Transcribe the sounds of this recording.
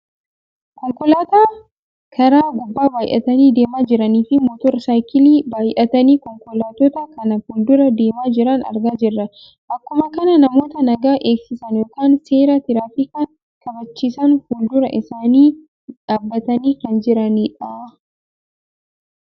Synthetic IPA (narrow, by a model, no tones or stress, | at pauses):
kɔŋkʊlaːt̪aː | kʰɐɾaːɡʊbːaːbaːjʔɐ̰t̪ɐniːd̪eːmaːd͡ʒɪɾɐniːfɪmoːt̪ɔɾsaːjkɪliːbaːjʔɐt̪ɐniːkɔŋkʊlaːt̪ɔt̪ɐkɐnɐhʊld̪ʊɾɐd̪e̞ːmaːd͡ʒɪɾɐnɐ̰ɾɡaːd͡ʒɪrːɐ | ʔɐkːʊmɐkɐnɐnɐmo̞ːt̪ɐnɐɡaːʔeːksɪsɐnjoːkaːnse̞ːɾat̪ɪɾaːfɪkɐn | kɐbɐt͡ʃːiːsɐnhʊld̪ʊɾɐʔɪsaːniː | ᶑaːbːɐt̪ɐniːkɐnd͡ʒɪɾɐniːᶑaː